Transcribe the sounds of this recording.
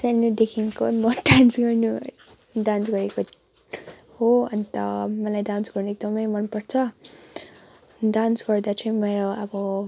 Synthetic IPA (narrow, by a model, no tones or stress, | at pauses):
sanud̪ekʰinkomʌdansɡʌrnu | ɖansɡʌɾeko | hoʌnt̪ʌmʌlajdansɡʌrnuek̚d̪ʌmʌjmʌnpʌrt͡sʰʌ | dansɡʌrd̪at͡sʰʌĩmeɾoʌbʌ